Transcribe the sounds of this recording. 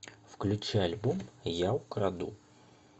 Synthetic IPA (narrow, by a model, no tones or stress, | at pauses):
fklʲut͡ɕɛalʲbomjawkɾad̪ṵ